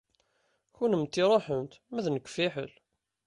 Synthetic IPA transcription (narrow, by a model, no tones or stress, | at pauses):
çunəmt̪ːiɾˤoħəmt̪mæðnəkʷːfiħə̰l